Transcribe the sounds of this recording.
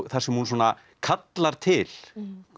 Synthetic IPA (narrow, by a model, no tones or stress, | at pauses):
θaɾ̥sɛmhunswɔːna | kʰat̪laɾ̥t̪ʰɪl̥